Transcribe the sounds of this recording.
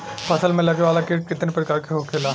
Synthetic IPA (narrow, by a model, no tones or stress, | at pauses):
pʰɐsəlmẽlɐkeʋaːlakeʈkɪt̪nepɾɐkaːɾkeɦokʰeːlaː